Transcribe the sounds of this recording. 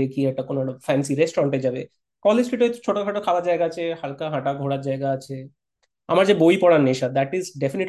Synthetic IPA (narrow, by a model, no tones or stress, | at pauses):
ekiɛk̚ʈakonofɛnsiɾesʈoɾaɳʈed͡ʑabḛ | kɔlesʈɾiʈoet̪ot͡ɕʰoʈokʰaʈokʰalaɾd͡ʑajɡaat͡ɕʰehalkaɦãʈaɡʱoɽaɾd͡ʑajɡaat͡ɕʰe | a̰maɾd͡ʑebojpɔɽanːeʃad̪ɛʈizɖefiniʈ